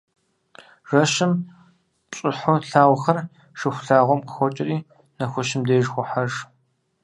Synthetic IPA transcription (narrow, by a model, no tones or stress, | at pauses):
rɐʃɪm | ɕʼɪħʊɬaːwxɐr | ʂɨxʷɬaːʁʷɔmqəxʷɔt͡ʃʼɪriː | nɐxʷʊʃɪmdeːʒxʷʊħaʐ